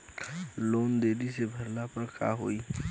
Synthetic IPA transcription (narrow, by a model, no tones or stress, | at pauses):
loːnd̪eːɾisebʱəɾlapəɾka̰ɦoːi